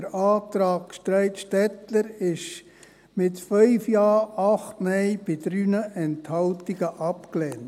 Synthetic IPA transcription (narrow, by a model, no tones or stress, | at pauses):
əɾɑːt̪ɾɑːkʃtɾɛɪtʃtɛtləɾɪʃ | mɪtfœʏfjɑːɑχtmɛɪb̥ɪdɾyːnəʔɛnthɑltiɡ̥əʔɑpklɛːn